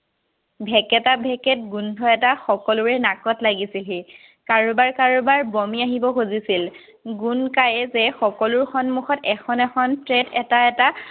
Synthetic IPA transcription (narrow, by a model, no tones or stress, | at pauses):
bʱɛkɛtabʱɛkɛt̚ɡundʱɔɛtaxɔkɔlʊɹɛnakɔtlaɡisilɦi | kaɹubaɹkaɹubaɹbɔmiaɦibɔxozisil | ɡunkajɛzɛxɔkɔlʊɹxɔnmuxɔtɛxʰɔnɛxʰɔntɹɛtʰɛtaɛta